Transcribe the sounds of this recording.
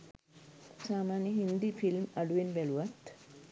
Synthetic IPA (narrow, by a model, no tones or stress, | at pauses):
saːmaːnjəɦind̪ifʰilmaɖuʋenbæluʋat̪